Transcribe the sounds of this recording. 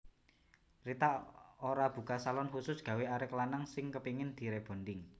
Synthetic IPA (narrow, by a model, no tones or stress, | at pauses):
rit̪aoɾab̥ṳkasalɔnhusʊsɡ̥a̤weaɾɪklanaŋsɪŋkəpiŋɪnd̪̥i̤ɾeb̥o̤nd̪ɪŋ